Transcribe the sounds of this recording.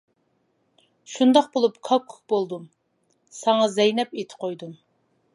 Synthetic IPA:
ʃund̪ɑqbolˠupkʰɑkʰu̥k̚bolˠd̪um | sɑŋɑzɛjnɛpet̪ʰɪ̥qʰojd̪um

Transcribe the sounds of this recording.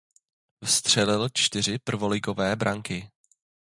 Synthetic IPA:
vst̪r̝̥ɛlɪlt͡ʃt̪ɪr̝ɪpr̩vo̞lɪɡo̞vɛːbɾʔaŋkɪ

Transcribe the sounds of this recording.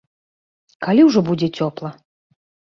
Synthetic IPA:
kalʲiwʐɔbud͡zʲɛt͡sʲɔplˠɐ

